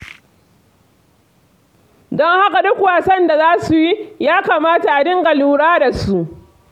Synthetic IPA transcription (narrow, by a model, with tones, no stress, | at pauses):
dɔ˦ŋha˦ka˨dʊ˦kwaː˨sɐ˦nda˨zaː˦su˨ji˦jaː˦kaː˨maː˦ta˨ʔa˨dɪ˦ŋɡa˨luː˦ɽaː˦da˨su˦ʔ